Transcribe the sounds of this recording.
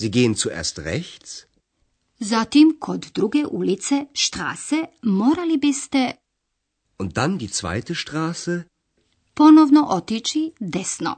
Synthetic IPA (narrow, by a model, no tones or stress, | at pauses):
ziːɡeːənt͡suʔḛːɐstʁɛçt͡s | zat̪imkʰod̪d̪ɾuɡeʔulit̪seʃt̪ɾa̰ːsemoːɾalibist̪e | ʔʊnt̚d̥andiːt͡sv̥a̰ɪtəʃtʁaːsə | ponoʋnoʔot̪it͡ʃid̪esno̰